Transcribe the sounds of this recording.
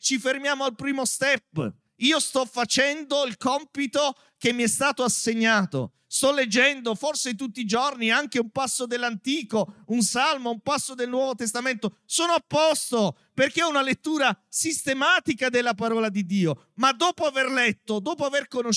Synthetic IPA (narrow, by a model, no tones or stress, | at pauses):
t͡ʃifermjaːmoalpɾiːmost̪ɛpː | iːost̪ɔfːat͡ʃɛnd̪oilkɔmpit̪o | k̟emːiɛst̪aːt̪oaseɲːaːt̪o̰ | st̪ɔlːed͡ʒːɛnd̪oforset̪ut̪ːid͡ʒorniaŋk̟eumpasːod̪elːant̪iːkounsalmoumpasːod̪elnwɔːvot̪est̪ament̪o | soːnoapːɔst̪o | perkeɔunalet̪ːuːɾasist̪emaːt̪ikad̪elːapaɾɔːlad̪id̪ːiːo | mad̪ːɔːpoaverlɛt̪ːod̪ɔːpoaverkono